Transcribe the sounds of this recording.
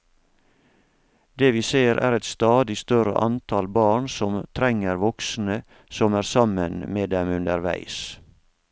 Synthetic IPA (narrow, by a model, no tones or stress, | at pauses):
d̪eːʋiːseːɾʔæ̰ːɾɛt̪st̪ɑːd̪ɪst̪œɾə̰ʔɑnt̪ʰɑlbɑːɳsɔmt̪ʰɾɛŋəɾʋɔksn̩ə | sɔmæːɾsɑmənmeːd̪ɛmʉnd̪əɾʋæ̰ɪs